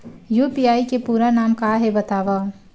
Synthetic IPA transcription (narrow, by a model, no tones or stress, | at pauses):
juːpiaːikepuːɾanaːmkaːɦebət̪aːʋa